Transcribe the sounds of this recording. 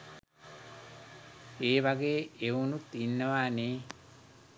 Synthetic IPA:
eːʋaɡeːeunut̪inːəʋaːneː

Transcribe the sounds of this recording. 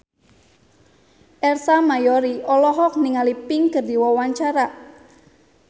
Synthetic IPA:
ʔɛrsamajɔɾiɔlɔɦɔk̚niŋalipɪŋkərd̪iwɔwaɲt͡ʃaɾa

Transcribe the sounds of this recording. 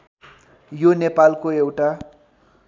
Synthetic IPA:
jonepalkoewʈa

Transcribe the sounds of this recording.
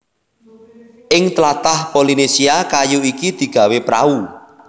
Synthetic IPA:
ʔɪŋt̪əlat̪ahpolinesiakajuikid̪̥i̤ɡ̥a̤wepɾa̰u

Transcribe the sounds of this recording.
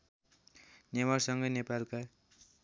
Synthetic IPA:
nemʌrsʌŋɡʌjnepalka

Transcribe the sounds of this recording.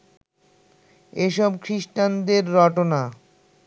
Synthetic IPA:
eʃɔbkʰɾiʃʈand̪eɾːɔʈona

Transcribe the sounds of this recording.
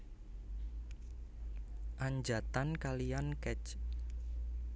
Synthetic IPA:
ʔaɲd͡ʒat̪ankalijankɛt͡ʃ

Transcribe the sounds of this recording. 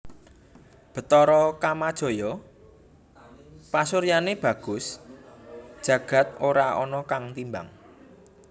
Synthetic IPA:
b̥ə̤t̪ɔɾɔkamad̥ʒ̥ɔ̤jɔ | pasuɾjaneb̥ä̤ɡ̥ʊ̤s | d̥ʒ̥ä̤ɡ̥a̤t̪̚oɾaɔ̰nɔkaŋt̪imba̰ŋ

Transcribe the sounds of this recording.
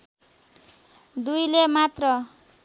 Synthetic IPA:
d̪ujlemat̪rʌ

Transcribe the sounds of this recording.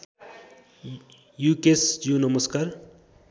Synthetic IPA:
jukesd͡ʒjunəməskaːɾ

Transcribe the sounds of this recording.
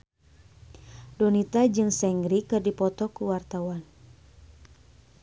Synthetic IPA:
dɔnit̪ad͡ʒɨŋsɛŋɡɾikɨrdipɔt̪ɔkuwart̪awan

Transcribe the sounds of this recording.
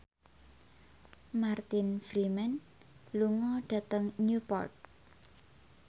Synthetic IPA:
mart̪infɾimɛn | luŋɔɖ̥ä̤t̪əŋɲupɔ̰rt̪̚

